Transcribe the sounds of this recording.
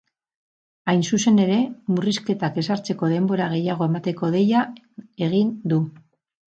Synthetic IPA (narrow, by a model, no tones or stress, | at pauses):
ajnsuse̞ne̞ɾe̞muriske̞t̪ake̞saɾt͡se̞ko̞ðe̞mbo̞ɾaɣ̞e̞jaɣ̞o̞emat̪e̞ko̞ð̞e̞ja | e̞ɣ̞ind̪u